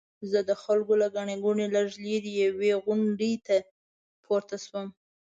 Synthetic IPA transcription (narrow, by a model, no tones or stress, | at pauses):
zəd̪əxalɡolaɡaɳeɡuɳelaʒled̪əjaweɣʊɳɖet̪a | pʰoɾt̪aswəm